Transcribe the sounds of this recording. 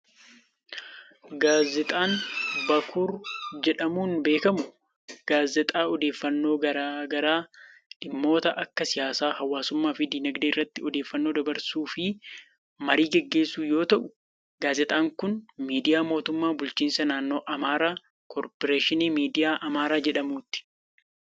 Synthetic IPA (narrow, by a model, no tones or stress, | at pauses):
ɡaːzɛt̪ʼaːnbɐkʰʊɾd͡ʒɛᶑɐmuːnbe̞ːkɐmʊ | ɡ̥aːzɛt̪ʼaːɔd̪e̞ːfːɐnːo̞ːɡɐɾaːɡɐɾaː | ᶑɪmːo̞ːt̪ɐʔɐkːɐsɪjaːsaːhɐwːaːsʊmːaːfɪd̪iːnɐɡd̪eːɪrːɐt̪ːɪɔd̪e̞ːfːɐnːoːd̪ɐbɐɾsuːfɪ | mɐɾiːɡɛɡːe̞ːsːuːjo̞ːt̪ɐʔʊ | ɡaːzɛt̪ʼaːŋkʊnmiːd̪ɪjaːmo̞ːt̪ʊmːaːbʊlt͡ʃiːnsɐnaːnːo̞ːʔɐmaːɾaː | kʰɔːɾpɔɾeːʃɪniːmiːd̪ɪjaːʔɐmaːɾaːd͡ʒɛᶑɐmuːt̪ːɪ̥